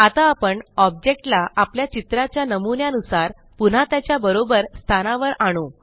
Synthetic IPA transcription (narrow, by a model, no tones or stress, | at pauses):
at̪aːpəɳɔb̚d͡ʑek̚ʈlaapljat͡ɕit̪ɾat͡ɕjanəmunjanusaɾ | pun̤at̪jat͡ɕjabəɾobəɾst̪ʰanaʋəɾaɽ̃o